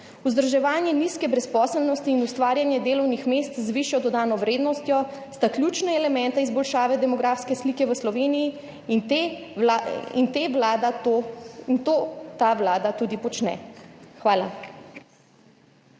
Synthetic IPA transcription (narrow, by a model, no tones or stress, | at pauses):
uzd̪ɾʒɛʋaːnjɛniskɛbɾɛspɔːsɛlnɔst̪iːnust̪ʋaːɾjanjɛd̪eːlɔwnixmeːst̪zʋiʃjɔd̪ɔd̪aːnɔʋɾeːd̪nɔst̪jɔst̪aklʲjuːt͡ʃnɛɛlɛmɛnt̪aizbɔlʃaːʋɛd̪ɛmɔɡɾaːfskɛsliːkɛʋəslɔʋeːniji | t̪e | ḭnt̪eʋlaːd̪at̪oint̪oːt̪aʋlaːd̪at̪uːd̪ipɔt͡ʃnɛ̰xʋaːla